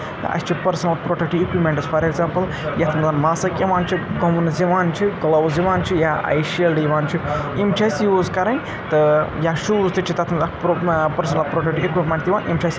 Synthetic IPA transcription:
t̪ɐ̰sʰt͡ʃʰipɐɾsɐnɐlpɾoːʈɐk̚ʈiikwimʲẽɳʈɐspʰɐɾekzaːmpɐl | jɐt̪ʰmɐzanmaːsɐkeʋaːnt͡ʃʰiɡɐmunɐziʋaːnt͡ʃʰikɐlɐwziʋaːnt͡ʃʰijaɐ̰jʃɐlɖiʋaːnt͡ʃʰiimt͡ʃʰɐsjuːzkɐɾɐ̃j | t̪ɨjaʃuːzt̪ɨt͡ʃʰit̪ɐt̪ʰmɐzakpɐɾsɐnɐlpɾoːʈɐk̚ʈiekwiʈmɐːnt̪iʋaːnʔimt͡ʃʰɐsʲ

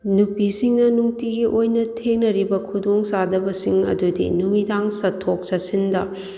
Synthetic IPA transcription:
nupisiŋnɐnuŋtiɡiʔojnɐtʰeŋnɐɾibɐkʰudoŋsadɐbɐsiŋɐ̰dudḭnumidaŋsɐtʰok̚sɐsindɐ

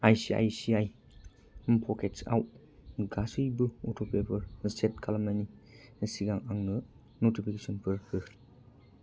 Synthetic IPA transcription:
ajsia̰jsiaj | pʰɔkʰetsa̰w | ɡasɯjbɯotʰopʰepʰɯɾstetkʰalamanisiɡaŋaŋnɯ | notipʰikesɔnpʰɯɾkʰɯ

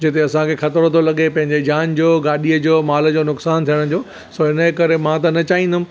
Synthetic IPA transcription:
d͡ʑet̪eɐsãkʰexɐt̪əɾot̪ʰolɐɠepɐ̃ɦɪ̃ɲd͡ʑed͡ʑaːnd͡ʑoːɡaːɗijəd͡ʑoːmaːləd͡ʑoːnʊksaːnt̪ʰijəɽ̃d͡ʑoː | soɦɪnəkɐɾemãt̪ɐnɐt͡ɕaːɦĩːnd̪ʊm̃

